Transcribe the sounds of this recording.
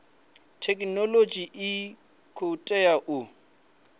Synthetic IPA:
tʰɛkʼnɔlod͡ʒʼiʔɪ | kʰoutʼɛaʔʊ

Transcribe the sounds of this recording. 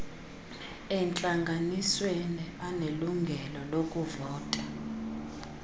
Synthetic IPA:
ɛnt͡ɬʼaŋɡʱaniswenianeluŋɡʱɛlɔlokʼuvɔːtʼa

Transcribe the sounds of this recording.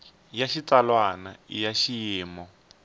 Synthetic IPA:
jaʃit͡salwanaḭjaʃijiːmɔ

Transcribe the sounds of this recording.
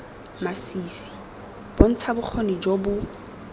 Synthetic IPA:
masiːsi̥ | b̥on̩t͡sʰabʊk͡xʰonid͡ʒobʊ

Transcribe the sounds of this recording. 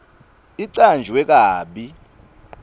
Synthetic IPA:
iǀand͡ʒʱiwɛk̬aːɓi

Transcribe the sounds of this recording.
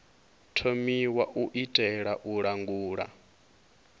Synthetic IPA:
tʰomiwaʔuʔitʼɛɺaʔuɺaŋɡuːɺa̰

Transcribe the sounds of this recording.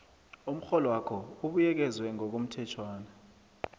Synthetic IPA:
um̩xɔlɔwakʰɔuɓujɛk̬ɛzwɛŋɔk̬um̩tʰɛt͡ʃʰwaːnɛ

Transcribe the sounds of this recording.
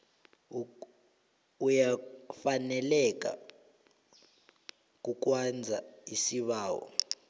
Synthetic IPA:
ujafanɛlɛk̬ʼa̰ | k̬ʼuk̬ʼwand͡zʱaisiɓaːwɔ̰

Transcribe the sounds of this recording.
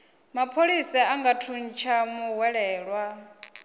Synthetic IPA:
mapʰoɺisaaŋɡatʰun̩t͡ʃʰamuɦwɛɺɛːɺwa

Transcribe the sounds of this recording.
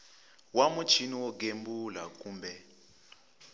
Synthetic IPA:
wamut͡ʃʰiniwɔɡ̬embulakuːmbɛ

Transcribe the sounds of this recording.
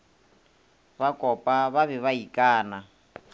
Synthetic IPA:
βakʼɔpʼaβaβɛβaikʼaːna

